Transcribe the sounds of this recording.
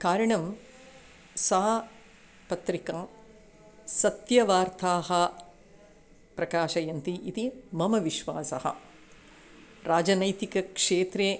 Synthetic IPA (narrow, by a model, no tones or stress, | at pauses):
kaːɾɐɳɐm | sɐɦɐ | pɐt̪ɾikɐː | sɐt̪jɐʋaːɾt̪ʰaːɦɐ | pɾɐkaːʃɐjɐnt̪iʔit̪imɐmɐʋiʃʋaːsɐhɐ̰ | ɾaːd͡ʒɐnɐjt̪ikɐkʂeːt̪ɾeː